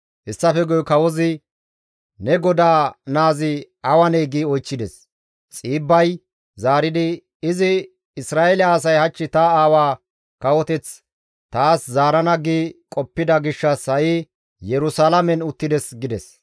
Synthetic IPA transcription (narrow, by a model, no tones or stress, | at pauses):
hɪsːɐfɛɡɔjɔkɐwɔzɪ | nɛɡɔd̪aːnaːzɪ | ɐwɐneːɡiːɔjt͡ʃːɪd̪ɛs | t͡sʼiːbːɐj | zaːɾɪd̪ɪ | ɪzɪ | ɪsɾaːʔɛlɪɐːs̬ɐjhɐt͡ʃːɪt̪ɐaːwaː | kɐwɔt̪ɛt͡s | t̪aːszaːɾɐnɐɡiːkʼɔpːɪd̪ɐɡɪʃːɐshɐʔɪ | jɛɾʊsalɐmɛnʊt̪ːɪd̪ɛsɡɪd̪ɛs